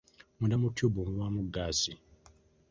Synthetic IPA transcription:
mundamutːjobumuβamuɡːaːsi

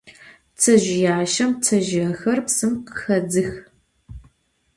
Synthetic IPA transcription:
t͡sʰɐʒɪjaːʃɐmt͡sʰɐʒɪɐxɐrpsɨmqə̥xɐd͡zɨx

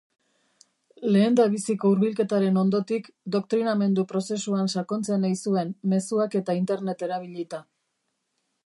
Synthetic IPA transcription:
le̞ːnd̪aβisiko̞uɾβilke̞t̪aɾe̞no̞nd̪o̞t̪ikd̪o̞k̚t̪ɾiname̞nd̪upɾo̞se̞suansako̞nt͡senajsue̞nme̞suake̞t̪aint̪e̞ɾnet̪e̞ɾaβ̞iʎit̪a

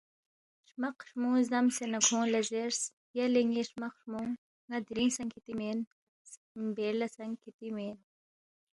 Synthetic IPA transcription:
ʂmɐqʂmũːzɐmsenɐkʰõːlɐzeɾs | jɐleŋeʂmɐqʂmuŋ | ŋːɐd̪ɾĩnsɐŋkʰit̪imen | s | mbelɐsɐŋkʰit̪imen

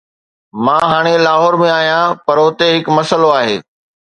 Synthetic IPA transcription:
mãːɦaːɽ̃elaːɦɔːɾmẽaːɦijãpɐɾʊt̪eɦɪkmɐsəloaːɦeː

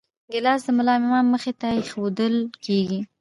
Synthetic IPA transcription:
ɡəlɑs̬d̪əmʊlɑmɪmɑnmːəxet̪ajexod̪əlkeɡi

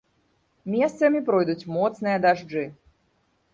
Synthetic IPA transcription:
mʲɛst̪sɐmʲipɾɔjd̪ut͡sʲmɔt̪snɨjɐd̪aʐd͡ʐɨ

